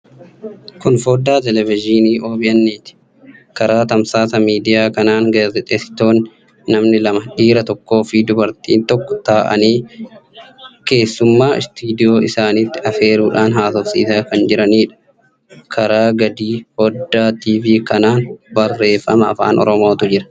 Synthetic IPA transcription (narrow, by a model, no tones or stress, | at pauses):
kʊnfoːd̪aːt̪̬ɛlɛvɪd͡ʒiːniːʔo̞ːbɪjɐnːiːt̪ɪ̥ | kɐɾaːt̪ɐmsaːsɐmiːd̪ɪjaːkɐnaːŋɡaːzɛt̪ʼeːsɪ̥t̪o̞ːnː | ɐmnɪlɐmɐᶑiːɾɐt̪ɔkːo̞ːfɪd̪ʊbɐɾt̪iːnt̪ɔkːɔ̥t̪aːʔɐ̰niː | ke̞ːsːʊmːaːɪ̰st̪iːd̪ɪjo̞ːɪsaːniːt̪ːɪɐfe̞ːɾuːᶑaːnɦaːt̪ɔfsḭːsɐkɐnd͡ʒɪɾɐniːᶑɐ̥ | kʰɐɾaːɡɐd̪iːhod̪ːaːt̪iːviːkɐnaːnbɐrːe̞ːfɐ̰mɐ̰ːfa̰ːnʔɔ̰ɾɔmo̞ːt̪ʊd͡ʒɪɾɐ̥